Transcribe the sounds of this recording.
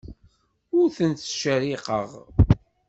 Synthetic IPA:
ʊɾθənt̪ʃəɾiqə̰ʁ

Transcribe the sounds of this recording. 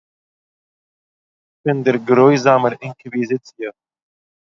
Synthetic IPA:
ɪnd̪əɾɡɾojzaːməɾɪŋkivizɪt͡sjə

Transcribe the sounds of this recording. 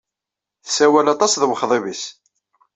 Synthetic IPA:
θsæwælɑt̪ˤɑsðəwəχðˤivis

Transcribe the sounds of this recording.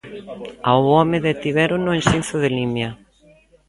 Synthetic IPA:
awɔmɪðet̪iβɛɾʊnʊensin̟θʊðɪlimja

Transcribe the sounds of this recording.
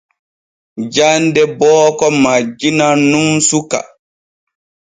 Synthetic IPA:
d͡ʒandɛbɔːkɔmad͡ʒinanumsuka̰

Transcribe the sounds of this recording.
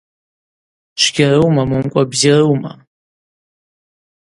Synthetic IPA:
ʂʷɡʲarɨwmamɨmkʷʼabzirɨwma̰

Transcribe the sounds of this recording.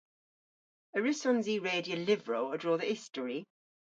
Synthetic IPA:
əɹɪsɔ̃nziːɹeːdiəlɪvɹoʊədɹɔːðəɪstəɹi

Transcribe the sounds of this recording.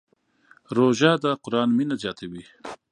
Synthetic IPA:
ɾoʒad̪əqʊɾɑːnminazjɑːt̪ʰawi

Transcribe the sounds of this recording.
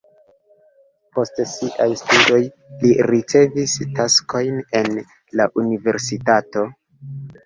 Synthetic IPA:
po̞stsiʔajstudo̞j | liɾit͡se̞vistasko̞jne̞n | laʔunive̞ɾsitato̞

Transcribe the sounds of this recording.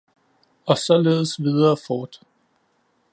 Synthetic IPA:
ɒ̽sɒ̽leːðˠəsʋið̞ˠɐːfɒːd̥

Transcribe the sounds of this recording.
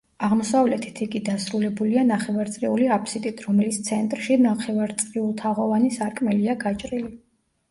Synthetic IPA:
aʁmɔsavlɛt̪ʰit̪ʰiɡid̪asɾulɛbulianaχɛvaɾt̪sʼɾiuliapʰʼsit̪ʼit̪ʰɾɔmɛlit̪sʰt̪sʰɛnt̪ʼɾʃinaχʰɛvaɾt̪sʼɾiulˠt̪ʰaʁɔvanisaɾkʼmɛliaɡat͡ʃʼɾili

